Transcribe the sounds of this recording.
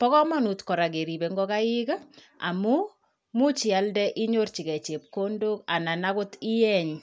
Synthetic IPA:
pɔ˦kɔ˦ma˦nu˨tkɔ˨ɾa˨k̬e˨ɾi˨be˨ŋɡɔ˦ka˦jɪ˦ka˦ | a̰˨mu˦ | mu˦t͡ʃɪ˨a˦ldɛ˦ʔi˦ɲo˦rt͡ʃi˨kɛ˨t͡ʃe˨p̚ko˦ndo˦ka˨na˨na˦kʊ˦ti˦jɛ˦ɲ

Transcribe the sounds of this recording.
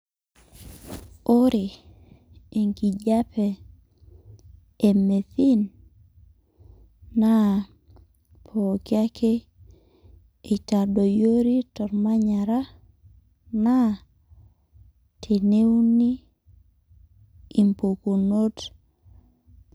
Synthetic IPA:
o˦ɾi˨ | e˨ŋki˨d͡ʒa˦pɛ˨ | me˨θi˦n | a˦ | pʰo˨kja˦kʰe˦ | i˨ta˨do˨jo˦ɾi˦tɔ˨ɾma˦ɲa˨ɾa˦ | na˦ | tʰe˨ne˦wni˦ | i˨mpo˨ko˨no˦t

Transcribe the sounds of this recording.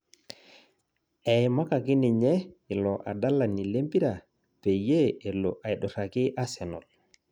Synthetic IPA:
ɛ˨jma˦ka˨ki˦ni˨ɲɛ˦i˨lɔ˨ʔa̰˨da˦la˨ni˨le˦mpi˦ɾa˨ | pe˨je˦e˨lɔ˨ʔa˨jɗɔ˨ɾa˨ki˦ʔa˦sɛ˨nɔ̰˨l

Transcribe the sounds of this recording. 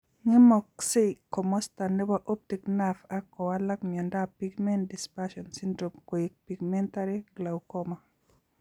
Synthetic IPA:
ŋɪ˦mɔ˨kse˦kɔ˨mɔ˦sta˨nɛ˦ba˦ʔo˦p̚ti˨kna˦fa˦kɔ˨wa˦la˦kmjɔ˨nda˦pi˦ɡmɛ˦ndi˨spa˦ʃɔ˨nsi˦ndɾo˨mko˨jik̚pi˨ɡmɛ˦nta˦ɾi˦ɡla˨wkɔ˦ma˨

